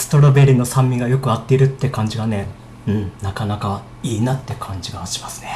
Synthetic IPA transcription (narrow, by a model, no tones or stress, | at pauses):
sɨ̥t̪o̞ɾobeɾʲino̞sãmːʲiɡajo̞kɯ̟at̪ːe̞iɾɯ̟t̪ːe̞kãɲ̟d͡ʑiɡane̞ | ɯ̟̃ɴnakanaka | iːnat̪ːe̞kʰãɲ̟d͡ʑiɡaɕi̥masɨ̥ne